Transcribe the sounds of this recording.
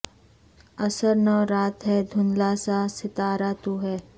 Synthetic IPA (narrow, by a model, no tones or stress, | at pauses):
ɐsəɾnəɾaːt̪ɦɛd̪ʱʊnlaːsaːsɪt̪aːɾaːt̪uɦɛː